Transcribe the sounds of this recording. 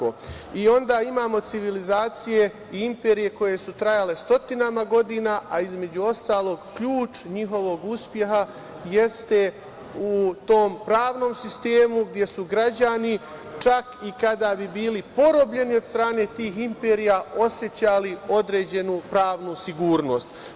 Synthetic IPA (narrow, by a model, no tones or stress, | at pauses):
o̰io̞nd̪aːimaːmo̞t̪siʋilizaːt̪sije̞ | iimpe̞ːɾije̞ko̞je̞sut̪ɾajale̞st̪o̞t̪inamaɡo̞d̪iːnaːʔaizme̞d͡ʑuo̞st̪aːlˠo̞ɡkʎuːt͡ʃɲiɦo̞ʋo̞ɡuspje̞ɦa | jest̪e̞ | ut̪o̞ːmpɾaːʋno̞ːmsist̪e̞ːmuɡd̪je̞suɡɾad͡ʑanit͡ʃakikad̪abibiːlipo̞ɾo̞bʎe̞nio̞d̪st̪ɾaːne̞ːt̪iːɦimpeːɾijaʔo̞sje̞t͡ɕalio̞d̪ɾe̞ːd͡ʑe̞nupɾaːʋnusiɡuːɾno̞ːst̪